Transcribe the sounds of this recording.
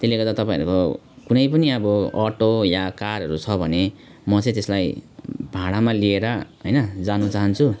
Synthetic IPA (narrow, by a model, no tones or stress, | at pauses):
t̪elːeɡʌrd̪at̪ʌpãḭ̃ʌɾuko | kunʌjpʌniʌbʌʌʈojakarɦʌɾut͡sʰʌbʱʌne | mʌt͡sʌ̃j̃t̪eslajbʱaɽ̃amalieɾʌɦʌjnʌd͡zanut͡saɦʌnt͡sʰu